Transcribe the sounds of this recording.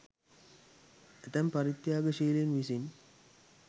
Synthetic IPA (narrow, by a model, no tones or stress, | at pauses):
et̪ɐmpɐɾit̪jaːɡəʃiːlenʋisin